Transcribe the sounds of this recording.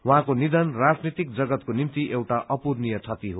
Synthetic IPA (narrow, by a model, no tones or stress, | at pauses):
waɦãkonid̪ʌnrad͡znit̪ikd͡zʌɡʌt̪konimt̪iʔewʈaʔʌpurnijʌt͡sʰʌt̪iɦo